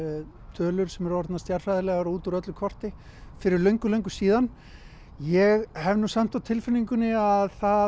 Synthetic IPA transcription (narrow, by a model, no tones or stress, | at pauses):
t̪ʰœːlʏɾ̥sɛmɛɾɔɾt̪nast̪jar̥fajðɪlɛɣaɾuːt̪aɾœt̪lʏkʰɔr̥t̪ɪ | fɪɾɪɾlœɥŋkʏlœɥŋkʏ̥siːðan | jɛɣhɛvnusam̥t̪awt̪ʰɪlfɪnːiŋkʏnːɪaðθa